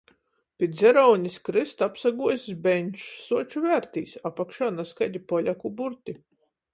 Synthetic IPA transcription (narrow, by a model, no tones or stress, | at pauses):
pʲit̪zʲɛɾɔwnʲiskɾɨst̪apsaɡuɔsizbɛɲʲʃsuɔt͡ʃuvæɾt̪iːsapakʃaːnaskajd̪ʲipɔlʲakubuɾt̪i